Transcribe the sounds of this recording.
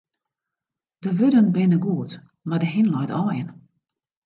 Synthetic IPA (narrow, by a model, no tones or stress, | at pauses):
d̥əʋødənbɪnəɡuət | madəɦinlɔjtɔːjən